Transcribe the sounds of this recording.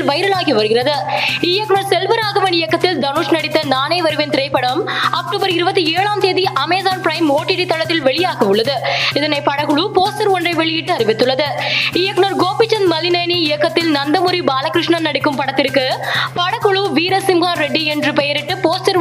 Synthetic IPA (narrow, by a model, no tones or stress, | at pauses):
lʋɐjɾɐɭaːɣiʋɐɾɯɣɪrɐðɯɪjɐkːɳoːɾsɛlʋɐɾaːɣɐʋɐnɪjɐkːɐt̪ːɪld̪ɐnuʂnɐɽɪt̪ːɐnaːneːʋɐɾɯʋɪnt̪ɪɾɐɪpːɐɽɐmɐk̚ʈuːbɐɾɪɾɯbɐt̪ːieːɭaːmt̪eːðiʔɐmeːðaːnpɾɐɪmoːʈːɪɽit̪ːɐɭɐt̪ːɪlʋɛɭɪjaːɣiɯɭːɐðɯɪðɐnɐɪpɐɽɐkɯɭupoːsʈɐɾɔndrɐɪʋɛɭɪjɪʈːɯɐɾɪʋɪt̪ːɯɭːɐðɯɪjɐkːnoɾɡoːpɪt͡ʃːɐnmɐlɪnɐːniɪjɐkːɐt̪ːɪlnɐnd̪ɐmʊɾibaːlɐkɾɯʂɳɐnɐɽɪkːɯmpɐɽɐt̪ːɪɾɯkːɯpɐɽɐkːɯɭuʋiːɾɐsɪmɣaːnɾɛɖːiɛndrɯpɛjɐɾɪʈːɯpoːsʈɐɾ